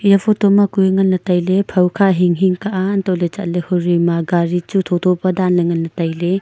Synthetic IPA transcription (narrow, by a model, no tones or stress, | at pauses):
jɐpʰɔtomakujŋɐlnɐtajlepʰɐwkʰaɦiŋɦiŋkaʔantɔlet͡ʃa̰tlehuɾimaɡaɾit͡ʃutʰɔtʰɔpɐdanlɐŋɐnnɐtajle